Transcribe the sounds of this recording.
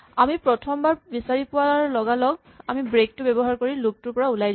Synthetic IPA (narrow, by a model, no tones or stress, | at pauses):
amipɹɔtʰɔmbaɹbisaɹipʊwalɔɡalɔɡ̚ | amibɹek̚tʊbɛbɔɦaɹkoɹilok̚tʊɹpɔɹaulajd